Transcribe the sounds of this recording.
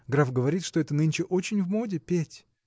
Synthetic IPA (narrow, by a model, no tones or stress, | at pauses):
ɡɾafɡəvɐɾʲit̪ʂt̪oɛt̪ənɨnʲt͡ɕɪʔot͡ɕɪnʲvmodʲɪpʲetʲ